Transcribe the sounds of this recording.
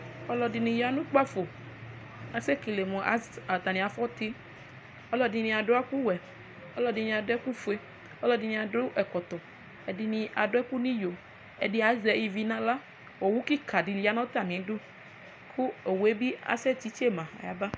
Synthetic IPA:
ɔ˦lɔ˨di˨nĩ˨ja˨nũ˦k͡pa˦fo˨ | a˨se˦ki˨le˨mɔ̃˨a˦a˨t̪a˨nĩ˨a˨fɔ˦t̪i˦ | ɔ˦lɔ˨di˨nĩ˨a˨ɖo˦a˦ku˦wɛ˨ | ɔ˦lɔ˨di˨nĩ˨a˨do˦ɛ˦ku˦fu˨e˦ | ɔ˦lɔ˨di˨nĩ˨a˨ɖo˦ʔɛ˨kɔ˨t̪ɔ˨ | ɛ˨di˨nĩ˧ʔa˨ɖo˦ɛ˦ku˦nĩ˦jo˨ | e˨di˦a˨˦zɛ˨i˨vi˨nã˦la˦ | wo˨wu˦ki˦ka˨ɖi˨li˨˦a˦nã˦t̪a˨nĩ˨˦ɖo˦ | kʰu˦e˨we˦bi˦a̰˨sɛ˦t͡ɕi˦t͡ʃe˦mã˨a̰˨ja˨ba˦

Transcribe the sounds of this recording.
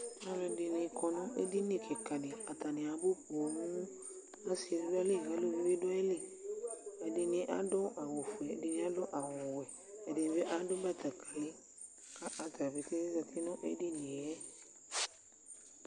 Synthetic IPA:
a˦lɔ̃˧˨dɪ˨nɪ̃˨kʰɔ˨nʊ̃˦ʔe˦di˦nĩ˦˨kʰe˨ka˨dɪ˨a˨ta˨nɪ̃˨a˨bo˦po˨˦nũ˦ | a˦si˨n˦dʊ˦a˦le˦˨ɡa˨˦lo˦bi˦be˦dʊ˦a˦li˦˨ | ɛ˨dɪ˧nĩ˧ʔa˦dʊ̃˦a˨wo˨fu˨ɛ˨dɪ˨nĩ˦a˦dʊ̃˦ʔa˨wɔ̃˨wɛ˨ | ɛ˨dɪ˨nĩ˨be˦ʔa˦dʊ˦ba˦˨ta˨kʰa˨lɪ˦ | ka˦ʔa˦ta˨bi˨te˦za˧tʰi˦nʊ̃˦ʔe˦di˦nĩ˨ɛ˦

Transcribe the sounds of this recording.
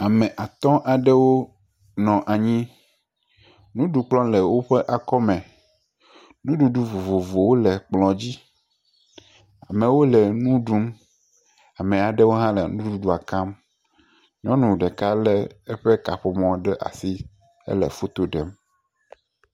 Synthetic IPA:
a˨mẽ˨ʔa˨t̪ɔ̃˦ʔa˨ɖɛ˦wo˦ | nɔ̃˨ʔa˨ɲĩ˦ | nũ˦ɖu˨k͡plɔ̃˦lɛ˨wo˦ɸe˦ʔa˨kɔ˦mɛ̃˨ | nũ˦ɖu˨ɖu˦vo˨vo˨vo˨wo˦lɛ˨k͡plɔ̃˨d͡ʑi˦ | a˨mẽ˨wo˦lɛ˨nũ˦ɖu˦m | a˨mɛ̃˨a˨ɖɛ˦wo˦ɦã˦lḛ˨nũ˦u˦u˦ɖu˦a˨kã˦m | ɲɔ̃˦nũ˨ɖɛ˨ka˦lɛ˦ɛ˦ɸe˦ka˨ɸo˨mɔ̃˨ɖɛ˦ʔa̰˨si˦ | ḛ˦lɛ̰˨fo˦t̪o˨ɖɛ˨m

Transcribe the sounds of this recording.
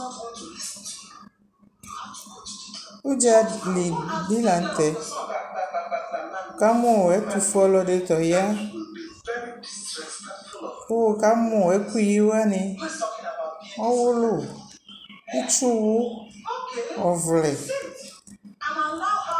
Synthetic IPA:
wo˦d͡ʒa˦li˨ɖi˦la˨n̩˦t̪ɛ˨ | o˨ka˦mõ˦˨ɛ˦t̪u˨fɔ˦lɔ˦ɖe˨t̪ɔ˨ja˦ | o˦wo˨ka˦mõ˨ɛ˦ku˦ji˦wo˦a˦nẽ˨ | ɔ˦wʊ˦lo˦˨ | i˦t͡ʃu˦wu˦ | ɔ˨vlɛ˨

